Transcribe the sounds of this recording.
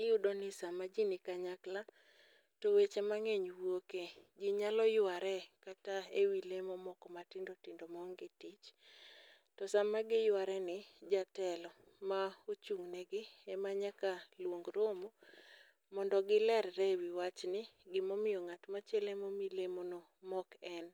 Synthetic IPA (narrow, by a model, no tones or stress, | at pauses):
ɪjudonɪsamːad͡ʒinɪkaɲakla | towet͡ʃemaŋeɲwoked͡ʒɪɲalɔjʊaɾɛkataewilemɔmɔkɔmatɪndotɪndomɔŋɡɪtit͡ʃ | tɔsamːaɡɪjʊaɾɛnɪd͡ʒatɛlɔ | maot͡ʃuŋnɛɡɪɛmaɲakalwoŋɡɾomo | mɔndɔɡɪlɛɾɾɛwiwat͡ʃnɪɡɪmɔmɪjɔŋatmat͡ʃelemomilemono | mɔkɛn